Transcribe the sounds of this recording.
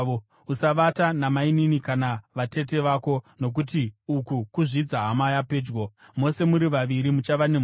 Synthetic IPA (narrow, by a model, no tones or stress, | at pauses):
usaʋatanamaininikanaʋate̞t̬e̞ʋaːko̞no̞k̬utiukukuʐid͡zaɦamajape̞ːd͡ʒɡo | mo̞se̞muɾiʋaʋiɾimut͡ʃaʋane̞m